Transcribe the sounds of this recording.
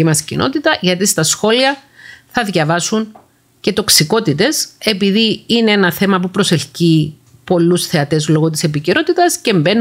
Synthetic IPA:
imɐscḭnʔo̞̰t̪it̪ɐʝɐt̪ist̪ɐsxo̞liɐθɐðʝɐvɐsun | ce̞t̪o̞ksiko̞t̪it̪e̞se̞piðiineenɐθe̞mɐpupɾo̞se̞fci | po̞lːusθe̞ɐt̪e̞zlo̞ɣot̪̬ise̞piceɾo̞t̪it̪ɐsce̞mbe̞n

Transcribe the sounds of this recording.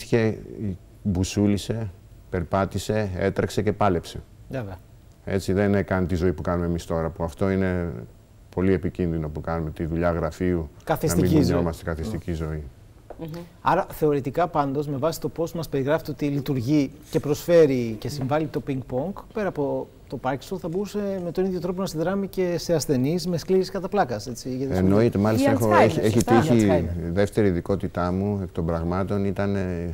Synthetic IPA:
çe̞ | busulise̞ | pe̞ɾpɐt̪ise̞et̪ɾɐkse̞ce̞pɐle̞pse̞veveɐ | e̞̰t͡siðe̞nekɐnit̪izo̞ipukɐnumemist̪o̞ɾɐpuɐft̪o̞ine̞ | po̞lie̞picinðino̞pukɐnumet̪iðuʎɐɣɾɐfiukɐθisɐt̪imiiɲomɐst̪ekɐθist̪icizo̞i | ɐ̰ɾɐθe̞o̞ɾet̪ikɐpɐnd̪o̞zme̞vɐsi̥t̪o̞po̞smɐspe̞ɾiɣɾɐfit̪ot̪ilit̪uɾʝice̞pɾo̞sfe̞ɾice̞siɱvɐlit̪o̞piŋɡ̚po̞ŋkpe̞ɾɐːpo̞ | t̪o̞pɐɾci̥st̪oθɐboɾuse̞me̞t̪o̞niðjo̞t̪ɾo̞p̬onɐsiðɾɐmice̞se̞ɐsθe̞nizme̞skliɾiskɐt̪ɐplɐkɐse̞t͡siʝɐt̪enoit̪emɐlist̪exoeeçit̪içiðe̞ft̪e̞ɾiːðiko̞t̪it̪ɐmuekt̪ombɾɐɣmɐt̪o̞nit̪ɐne

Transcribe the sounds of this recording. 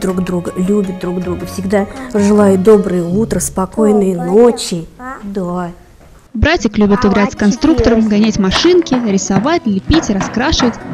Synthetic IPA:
d̪ɾuɡd̪ɾuɡəlʲubʲɪt̪̚d̪ɾuɡd̪ɾuɡəfsʲɪɡd̪aʐɨlˠajʊd̪o̞bɾɨjəut̪ɾəspɐko̞jnɨjənot͡ɕːɪd̪a | bɾatʲɪklʲubʲɪt̪ɪɡɾatʲskɐnst̪ɾukt̪əɾəmɡɐnʲatʲmɐʂɨnkʲɪɾʲɪsɐvatʲlʲɪpʲitʲrɐskɾaʂɨvətʲ

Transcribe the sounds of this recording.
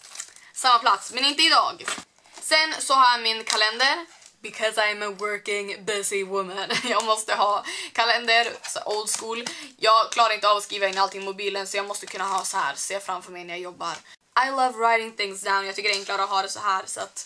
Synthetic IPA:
samːapʰlat̪smɛnɪnt̪əɪd̪ɑ̰ːɡ | sɛnsɔɦamɪnkʰalɛnd̪əɾ | bɪkʰɔzaɪæməwɜ˞kɪŋbɪzɪwʊmənjɑːɡmɔst̪əɦɑːkʰalɛnd̪əɾsɔ̰ʔoʊld̪skuːljɑːɡkʰlɑːɾaɾɪnt̪əɑːvɔskiːvaɪnːalt̪ʰɪŋːmʊbiːlənsɔjɑːɡmɔst̪əkʰɵnːaɦɑːsɔhæ̰ːɾseːfɾamfœɾmɛjnæɾjajɔbːaɾ | ʔaɪlʌvɾaɪɾɪŋθɪ̃ŋsd̪aʊnjɑɡt̪ʏkːəɾɛŋklaɾəɔɦɑːd̪ɛsɔɦæːɾsa̰t̪

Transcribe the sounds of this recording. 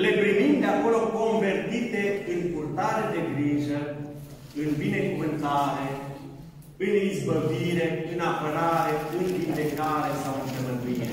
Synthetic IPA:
lebɾimind̪eakolokoɱvert̪it̪eɨnpurt̪aːɾed̪eɡɾiːʒə | ɨnvinekumənt̪aːɾe | ɨnizbəviːɾeɨnapəɾaːɾeɨnvind̪ekaːɾesamd̪eməd̪iːe

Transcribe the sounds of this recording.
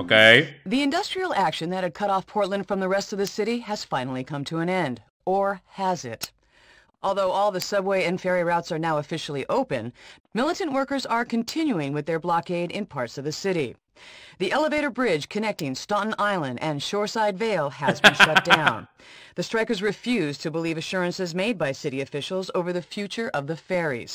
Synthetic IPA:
keðiɨ̃ndʌstɹ̥il̩ˠækʃɨ̃nðɨt̚hɨd̚kʰʌɾɔfpʰɔɹtˡlˠə̃nd̥fɹʌ̃mðəɹɛstʌvðɨsɪɾiɨz̥fãɪ̃nl̩ˠikʰʌ̃mtʰɨə̃nɛ̃nd | ə˞əzɪ̰t | ʔɔlˠðoʊɔlˠðɨsʌbweɪɨ̃nfɛɹiɹaʊtsə˞naʊɨfɪʃl̩ˠiʔoʊpɨ̰̃nmɪlˠəɾɨ̃nʔwɜ˞kə˞zə˞kʰɨ̃ntʰɪ̃njʉɪ̃ŋwɨðə˞blɑkeɪɾɪ̰̃npʰɑɹtsʌvðɨsɪɾḭ | ðiʔɛlˠəveɪɾə˞bɹɪdd͡ʒʒ̥kʰɨnɛk̚tɪ̃ŋstɑʔn̩aɪlˠə̃ndɨ̃nʃɔɹsaɪdveɪlˠəzbɨ̃nʃʌt̚d̥ãʊ̃nðɨstɹ̥aɪkə˞zɹɨfjʉztʰɨbəlivɨʃʊɹɨ̃nsɨzmeɪd̚baɪsɪɾiɨfɪʃl̩ˠzoʊvə˞ðɨfjʉt͡ʃə˞ʔʌvðɨfɛɹḭz̥

